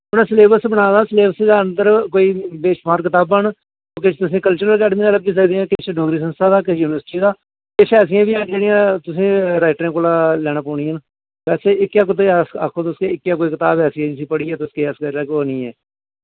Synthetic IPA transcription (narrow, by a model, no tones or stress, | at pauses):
əpnãːsleːbəɾsbəɽaːd̪aːsleːəsẽd̪aːənd̪əɾkoːiːbeːʃbaːɾkɪt̪aːbːəɳ | oːk̬ɪt͡ʃʰt̪ʊsĩːkəlt͡ʃəɾəlkɛːɖmiːaːləbiːs̬əkd̪iːãːkɪt͡ʃʰɖoːɡɾiːs̬ənst̪aːd̪aːkɪjuːnɪʋəɾsɪʈiːd̪aː | keːt͡ʃʰɛːs̬ɪjãːʋiːad͡ʒeːɽijãːt̪ʊsĩːɾaːɪʈɾẽːkoːlaːlɛːɽ̃aːpɔːɽiːəːn | ʋɛːseːɪkːjaːk̬ʊt̪̬esa̰kʰːõːt̪ʊskeːɪkːjaːk̬oːiːkɪt̪aːbɛːsiãd͡ʒɪs̬ĩːpəɽiːɛːt̪ʊskeːɛskəɾɾaːkoːnĩːɛ̰ː